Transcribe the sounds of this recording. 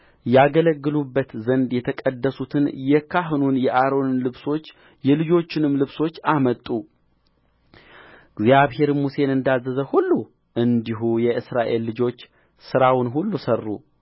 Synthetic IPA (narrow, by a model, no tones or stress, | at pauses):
jɛaɡələɡːɨlubːət̪zənd̪jɛt̪ʰəkʼəd̪ːəsut̪ʰɨnjɛkʰaɦnunjɛʔaɾo̞nnlɨβso̞t͡ʃː | jɛlɨd͡ʒo̞t͡ʃːɪnɨmlɨβso̞t͡ʃːamət̪ʼːu | ɡzjaβhe̞ɾmuse̞nɨnd̪azːəzəhulːu | ʔɨnd̪iɦujɛʔɨsɾaʔe̞lːɨd͡ʒo̞t͡ʃː | sɨɾawnɦulːusərːṵ